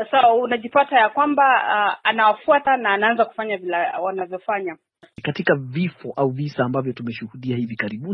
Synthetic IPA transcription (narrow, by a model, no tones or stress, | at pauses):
sawaunaʄipatajakwambaanawafuatanaːnaanzaku̥faɲavilawanavjɔfaɲa | katikavifɔʔauvisaːmbavjɔtumɛʃuhuɗiahivikaɾiɓu